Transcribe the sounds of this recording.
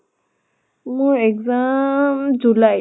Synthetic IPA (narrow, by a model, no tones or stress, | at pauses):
mʊɹɛkzamzulaj